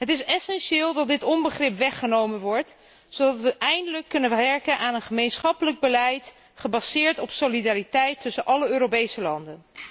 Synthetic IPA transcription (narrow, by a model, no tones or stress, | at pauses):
ɦətɪsɛsɛnʃɪːlˠdɑt̚dɪtɔmbəχrɪpʋɛχənowmənʋɔɹt | sodɑtʋəʔɛjndələkːɵnəʋɛɹkənʔaːnənχəmejnsχɑpələɡ̚bəlɛjt | χəbɑzɪːɹtɔpsolidaːɾitɛjtʰːɵsənʔɑləøːɾopejsəlɑndən